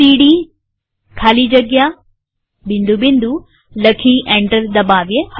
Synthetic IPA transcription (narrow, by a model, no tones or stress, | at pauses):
iːɽi | kʰaːlid͡ʒɐɡja | bind̪ubind̪u | lɐkʰiʔeɳʈɐɾd̪ɐbaːʋjeh